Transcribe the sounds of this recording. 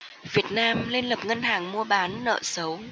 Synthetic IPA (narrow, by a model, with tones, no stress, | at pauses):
vi˨˩ət̚naː˧mle˧nlə˨˩p̚ŋə˧nɦaː˨˩ŋmu˧əɓaː˨˦nːə̰ː˧˨sə˨˦w